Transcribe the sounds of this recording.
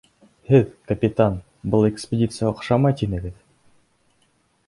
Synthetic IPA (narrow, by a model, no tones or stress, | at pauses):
hɘðkɐpʲit̪an | bɤlˠekspʲedʲit̪sɨjaoqʃɑmɑt̪inɘ̆ɡɘð